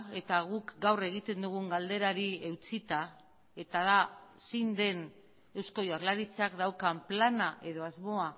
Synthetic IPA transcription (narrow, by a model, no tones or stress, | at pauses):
e̞t̪aɣ̞ukɡawre̞ɣ̞it̪e̞nd̪uɣuŋɡald̪e̞ɾaɾie̞wt͡sit̪a | e̞t̪aðasind̪e̞n | e̞wsko̞jaɾlaɾit͡sakd̪awkamplanaʔe̞ðo̞azmo̞a